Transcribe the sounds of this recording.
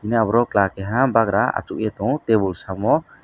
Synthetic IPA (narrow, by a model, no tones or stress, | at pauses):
inabɾɔklakɛɦãbaɡɾaa̰t͡ʃuʔjɛt̪ɔ̃t̪ɛbulsamɔ